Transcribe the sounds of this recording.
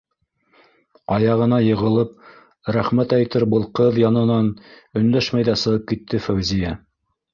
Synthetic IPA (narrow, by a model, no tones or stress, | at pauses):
ɑjɑʁɤ̆nɑjɤ̆ʁɤ̆lˠɤp̚ | ɾæχmæt̪æjt̪ɘɾbɤ̆lˠqɤðjɑnɤ̆nɑnɵ̆nd̪æʃmæjðæsɤ̆ʁɤp̚kit̪ʰːɘfæwzijæ